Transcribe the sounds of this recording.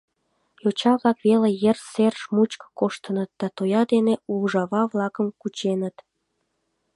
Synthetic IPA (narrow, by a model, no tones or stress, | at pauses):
jot͡ɕɑβlɑkβelejerserʃmut͡ɕkə̥koʃt̪ənət̪̚d̪̥ɑt̪ojɑd̪eneuʒɑβɑβlɑkəmkut͡ɕenət̪